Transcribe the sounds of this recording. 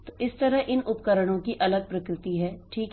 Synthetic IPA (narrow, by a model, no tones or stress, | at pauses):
tt̪oʔɪst̪ɐɾəɦɪnʊpkəɾəɽ̃õkiʔɐləɡ̚pɾɐkɾɪt̪iɦɛːʈʰiːk